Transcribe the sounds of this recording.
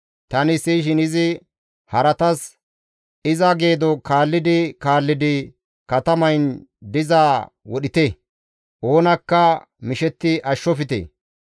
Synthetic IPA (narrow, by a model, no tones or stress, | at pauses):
t̪ɐnɪsiʃɪnɪzɪ | hɐɾɐt̪ɐs | ɪzɐɡe̞ːd̪ɔkaːlːɪd̪ɪkaːlːɪd̪ɪ | kɐt̪ɐmɐjnd̪ɪzaː | wɔɗɪt̪e | ʔo̞ːnɐkːɐ | mɪʃɛt̪ːɪʔɐʃːɔfɪt̪ḛː